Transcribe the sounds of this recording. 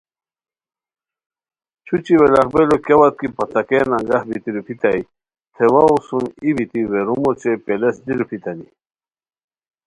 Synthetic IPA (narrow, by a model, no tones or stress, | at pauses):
t͡ɕʰut͡ɕiwelaχbelokjewat̪̚kipat̪akenaŋɡahbit̪iɾupʰit̪aj | t̪ʰewausunibit̪iweɾumɔt͡ɕepelesd̪iɾupʰit̪anḭ